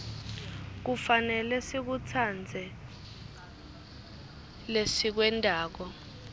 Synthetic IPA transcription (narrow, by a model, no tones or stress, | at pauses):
k̬ufanɛlɛsik̬utʰand͡zʱɛ | lesik̬wɛndʱʼaːk̬ɔ